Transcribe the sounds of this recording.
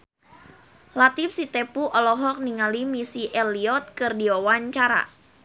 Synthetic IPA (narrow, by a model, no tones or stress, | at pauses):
lat̪ifsit̪ɛpuʔɔlɔɦɔk̚niŋalimisiʔɛliɔt̪̚kɨrdiɔwaɲt͡ʃaɾa̰